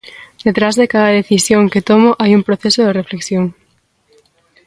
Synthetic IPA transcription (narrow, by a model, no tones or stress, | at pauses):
d̪̥et̪ɾazðekaðɐðeθisjoŋket̪omʊʔajumpɾoθesoðerefleksjoŋ